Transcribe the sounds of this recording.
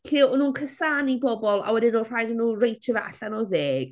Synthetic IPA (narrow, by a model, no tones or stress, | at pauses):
ɬiːɔnuːnkʰəsaːnibɔbɔlˠa̰wɛdɪnɔr̥ajdənːuːrejtʰəvaa̰ɬanɔðeːɡ̥